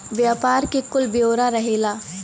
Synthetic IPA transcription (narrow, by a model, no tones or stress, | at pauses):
ʋjaːpaːɾkekʊlbjoːɾaɾɐɦeːlaː